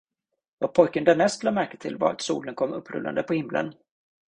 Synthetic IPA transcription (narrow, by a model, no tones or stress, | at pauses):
vapʰɔjkənd̪anɛst̪lɑːmæɾkət̪ʰɪlvaɾat̪sṵːlənkʰɔmːɵpːɾɵ̰lːa̰nd̪əpʰɔhɪmːlə̰n